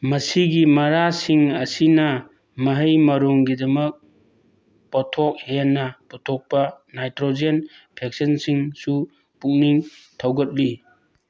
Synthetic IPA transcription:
mɐsiɡimɐɾasiŋɐsinɐ | mɐɦəjmɐɾuŋɡidɐmɐk̚ | pɔtʰɔk̚henːɐpɔtʰɔk̚pɐnajtɾod͡ʒen | pʰek̚sensiŋsu | puk̚niŋ | tʰawɡɐt̚li

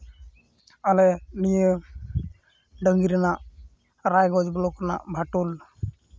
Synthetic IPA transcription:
alɛnijə | ɖəŋɡiɾɛnaʔ | ɾajɡɔd͡ʒbɔlɔkɾna̰ʔbʱaʈul

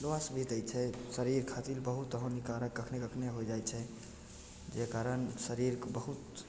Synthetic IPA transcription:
loasbʱit̪əjt͡ʃʰɛsəɾiɾkʰat̪ilbəɦut̪əɦə̃nikaɾəkːəkʰnekəkʰneɦojd͡ʒajt͡ʃʰɛ | d͡ʒekaɾənsəɾiɾbəɦut̪

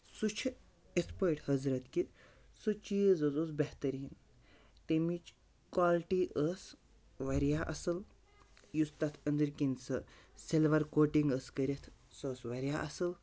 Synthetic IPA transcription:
sut͡ʃʰ | espajʈhɐzɾɐt̪ki | sət͡ʃizəzosbeht̪əɾiːn | t̪emit͡ʃ | kwalʈiʔəs | ʋɐɾjaʔɐsɐl | just̪at̪ʰənd̪əɾkinsɐselʋɐɾkoːʈiŋɡəskəɾʲet̪ʰ | səsʋɐɾʲjaʔɐsɐl

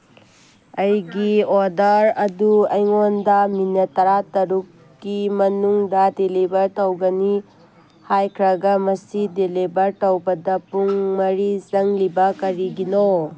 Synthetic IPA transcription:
ɐjɡiodɐɾɐduɐjŋondɐminɐtɐɾatɐɾukː | imɐnuŋdɐdelibɐɾtɐwɡɐni | hajkʰɾɐɡɐmɐsidelibɐɾtɐwbɐdɐpuŋmɐɾizɐŋlibɐkɐɾiɡino

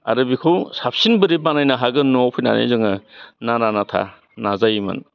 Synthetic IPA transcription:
a̰ɾɯbikʰowsap̚sinbɯɾibanajnaɦaɡɯnɔpʰɯjna̰nḛzɯŋɯnananatʰa̰ | nazajimɯ̰n

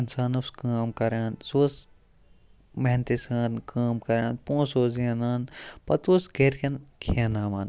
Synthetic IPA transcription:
ɪnsaːnɐskaːmkɐɾaːnsoːs | mɐɦnt̪isaːnkʰaːmkɐɾãːnpõːsoːzenaːnpɐt̪oːsɡeɾkʰenkʰeːnaːʋaːn

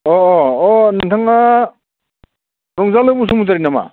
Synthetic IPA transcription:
ɔɔnantʰaŋa | ɾɔŋzalɯbusumuzaɾinama̰

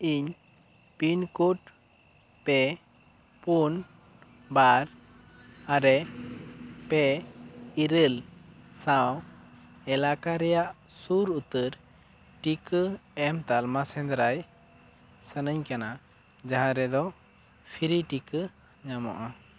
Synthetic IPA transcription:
iɲ | pinkuʈ̚ | pɛ | pun | baɾ | aɾɛ | pɛ | iɾəlsaw | ɛlakaɾɛjaʔ | suɾut̪əɾ | ʈikəɛmt̪almasɛ̃nd̪ɾaj | sənəɲkana | d͡ʒaɦãɾɛd̪ɔ | pʰiɾiʈikə | ɲamɔ̰ʔa

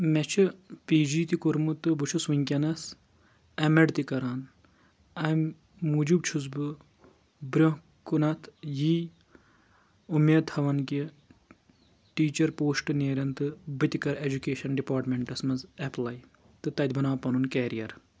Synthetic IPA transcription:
met͡ʃʰɨpiːd͡ʒiːt̪ikuɾmut̪ɨbɨt͡ʃʰusʋiŋkʲɐnɐs | ɐmɐɖt̪ikɐɾaːn | ɐmː | ud͡ʒubt͡ʃʰuzbɨ | bɾʲo | kunɐt̪ʰjiː | umeːd̪ʰɐʋɐnki | ʈiːt͡ʃɐɾpoːsʈɨneːɾʲɐnt̪ɨbɨt̪ikɐɾed͡ʒukeːʃɐnɖipaːɾʈmeɳʈɐsmɐnzɐplɐj | t̪ɨt̪ɐd̪ʲbɐnaːpɐnunkɛːɾijɐɾ

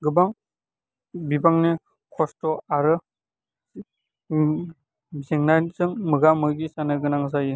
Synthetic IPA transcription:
ɡɯbaŋ | bibaŋne | kʰɔstɔaɾɯ | zeŋnazɯŋmɯɡamɯɡisanɯɡɯnaŋzajɯ

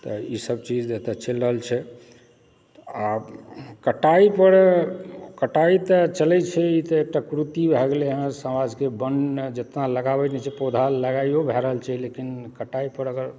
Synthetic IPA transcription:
t̪ɔisəb̚t͡ʃid͡ʒd̪et̪ət͡ʃʰelɾəɦəlt͡ʃʰɛ | a | kəʈaipəɾ | kəʈait̪ət͡ʃəlɛt͡ʃʰɛit̪əek̚ʈakɾut̪ibʱɛɡleɦə̃səmad͡ʒkebənd͡ʒət̪naləɡabɛnɛt͡ʃʰɛpod̪ʱalːəɡaiobʱɛɾəɦəlt͡ʃʰɛlekinkəʈaipəɾəɡəɾ

